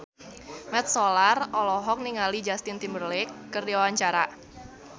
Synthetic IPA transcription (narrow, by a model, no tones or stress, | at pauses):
mɛt̪̚sɔlarɔlɔɦɔk̚niŋalid͡ʒast̪ɪnt̪imbərlɪkːərdiawaɲt͡ʃaɾa